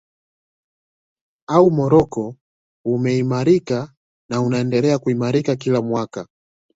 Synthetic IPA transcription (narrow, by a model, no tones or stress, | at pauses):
aumɔɾɔkɔ | umɛimaɾika | naunaɛndɛlɛakuimaɾikak̬ilamwaka